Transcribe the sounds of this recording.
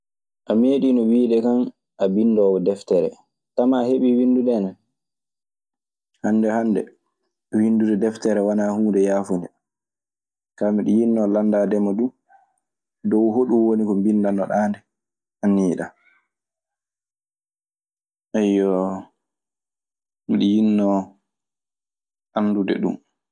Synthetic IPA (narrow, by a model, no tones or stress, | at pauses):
ʔameɗinɔwiːɗɛkan | ʔabinːdɔːwɔdɛftɛɾɛ̰ | tamaheɓiwinduɗɛnɛn | hanːdɛhandɛ | winduɗɛdɛftɛɾɛwanaːhuːndɛjaːfoni | kamiɗijinːɔlandaːdɛmaɗu | dɔwɦoɗuwonikɔmbinːdanːɔɗaːndɛ | ʔanːiːɗa̰ | ʔɛjɔ | miɗijinːɔ | ʔanːdudɛ̰ɗṵm